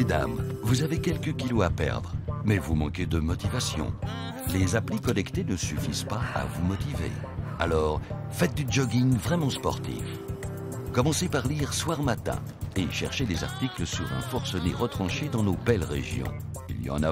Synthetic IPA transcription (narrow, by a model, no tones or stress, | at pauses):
ed̪a̰mvuzavekʲɛlkəkʲiloapɛ̰ʁd̪ʁəmɛvumɑ̃ked̪əmɔt̪ivasjɔ̰̃ | lezaplikɔnɛkt̪enəsyfizpaa̰vumɔt̪ivḛ | a̰lɔːʁ | fɛt̪̚d̪yd͡ʒɔɡʲiŋvʁɛmɑ̃spɔʁt̪ḭf | kɔmɑ̃sepaʁliʁswaʁmat̪ɛ̰̃ | eʃɛʁʃeleza̰ʁt̪ikləsyʁɛ̰̃fɔʁsɔnḛʁət̪χɑ̃ʃed̪ɑ̃nobɛlʁḛʒjɔ̰̃ | ḭljɑ̰̃na